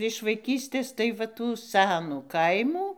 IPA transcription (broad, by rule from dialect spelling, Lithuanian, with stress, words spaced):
ɪʃ ʋɐɪˈkʲiːsʲtʲeːs tɐɪ ʋɐ ˈtuː ˈsʲænuː ˈkɐɪmuː